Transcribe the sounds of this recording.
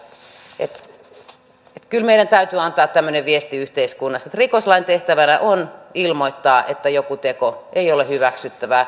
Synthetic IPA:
et̪ | et̪kylmeiɾænt̪æyt̪yɑnt̪ɑːt̪t̪æmːøneʋʋiest̪iyht̪eiskunːɑset̪rikoslɑint̪eht̪æʋænæʔonilmoit̪ːɑːʔḛt̪ːæjokut̪ekoʔeiolehyʋæksyt̪ːæʋæ

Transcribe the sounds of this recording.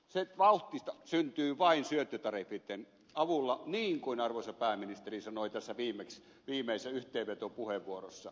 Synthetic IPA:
seʋɑuht̪ːˑist̪ɑsynt̪yːʋɑinsyøt̪ːyt̪ɑrifːit̪ːen | ɑʋulːɑniːŋkuinɑrʋoisɑpæˑːminist̪erisɑnoˑit̪æsːæʋiːmˑeks | ʋiːmeˑisːæyht̪ˑeːʋet̪opuheʋʋuorosːɑ

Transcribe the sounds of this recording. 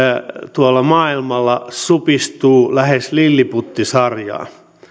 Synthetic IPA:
t̪uɑlːɑmɑːilmɑlːɑsupist̪uːlæheslilːiput̪ːisɑrjɑ̰ː

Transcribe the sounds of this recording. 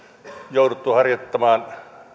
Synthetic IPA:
joudut̪ːˑuhɑrjot̪ːɑmɑːn

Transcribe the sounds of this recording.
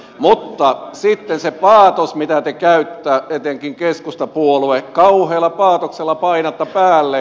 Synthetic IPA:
mut̪ːɑsit̪ːensepɑːt̪osmit̪æt̪ekæyt̪ːæːet̪eŋkiŋkeskust̪ɑpuolʋekɑuheːlːɑpɑːt̪okselːɑpɑinɑt̪ːɑpæːlːe

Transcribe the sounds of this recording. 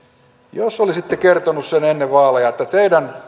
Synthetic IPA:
josolisit̪ːekert̪onussenenːeʋʋɑːlejɑet̪ːæt̪eidæn

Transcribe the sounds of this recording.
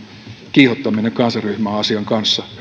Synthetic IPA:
kiːhot̪ːɑminekɑnsɑryhmæːɑsiɑŋkɑnsːɑ

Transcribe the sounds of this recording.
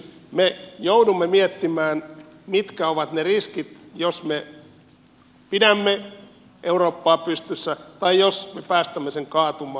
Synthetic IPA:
mejoudumːemiet̪ːimæːn | mit̪kæoʋɑt̪neriskit̪josme | pidæmːe | ʔeuroːpːɑːpyst̪ysːæt̪ɑijosmepæːst̪æmːeseŋkɑːt̪umɑː

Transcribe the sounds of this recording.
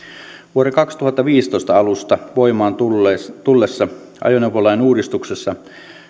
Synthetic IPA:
ʋuoɾekɑkst̪uhɑt̪ːɑʋiːst̪o̞jst̪ɑɑlust̪ɑʋo̞jmɑːnt̪t̪ulːesːɑ | ʔɑ̰jonewpolɑjnuːɾist̪uksesːɑ

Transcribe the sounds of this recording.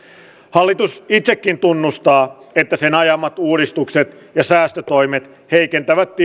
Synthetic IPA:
hɑlːit̪usit̪sekːint̪unːust̪ɑːet̪ːæsenɑjɑmːɑt̪uːɾist̪ukset̪jɑsæːst̪øt̪ojmet̪ | heikent̪æʋæt̪ːi

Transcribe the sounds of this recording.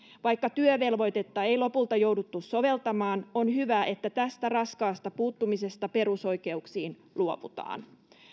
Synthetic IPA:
ʋɑjkːɑt̪yøʋe̞lʋo̞jt̪e̞t̪ːɑe̞jlo̞pult̪ɑjo̞wdut̪ːusso̞ʋe̞lt̪ɑmɑːno̞nɦyʋæʔe̞t̪ːæt̪æst̪ærɑskɑːst̪ɑpuːt̪ːumise̞st̪ɑpe̞ɾuso̞jke̞uksiːn | luoʋṵt̪ɑ̰ːn

